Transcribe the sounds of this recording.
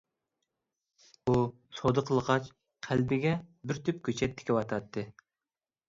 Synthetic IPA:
u | sod̪əqʰəlˠəʁɑt͡ʃ | qʰælbɪɡʲɛbɪɾt̪ʰyp̚kʲʰøt͡ʃʰɛt̪ʰːɪ̥kʲiwɑt̪ʰɑt̪ʰːɨ

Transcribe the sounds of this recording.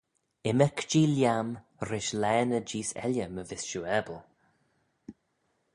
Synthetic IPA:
ɪməkd͡ʒiːljam | ɾɪʃlɛːnəd͡ʒiːsɛ̰ljəməvɪsʃuːɛbəlˠ

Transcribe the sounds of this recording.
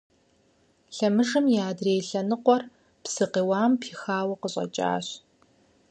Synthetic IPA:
ɬɐmɨʐɨmjaːdreːjɬɐnɨqʷɔr | psɨqiːwaːmpʰiːxaːwɐqəɕʼɐ̰t͡ʃʼa̰ːɕ

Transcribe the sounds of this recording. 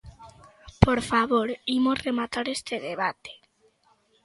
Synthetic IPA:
poɾfaβoɾimosremat̪aɾest̪eðeβat̪e̥

